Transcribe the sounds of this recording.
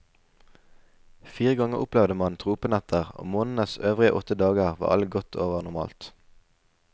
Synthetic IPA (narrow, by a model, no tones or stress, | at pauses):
fiːʁəɡɑŋəʁʔʊplɛʋd̪əmɑnt̪ʰʁuːpənæt̪ʰəʁo̰ːmoːnn̩əsøːʋʁɪə̰ʔɔt̪əd̪ɑːɡəʁʋɑ̰ːʁɑ̰lɡɔt̪ʰo̰ːʋəʁnʊʁmɑ̰ːlt̪